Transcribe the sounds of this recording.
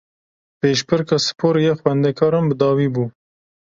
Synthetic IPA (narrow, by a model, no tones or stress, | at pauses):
peːʃpɨɾkɑːsɨ̥pʰoːɾjɛxwɛnd̪ɛkʰɑːɾɑmbəd̪ɑːwiːbuː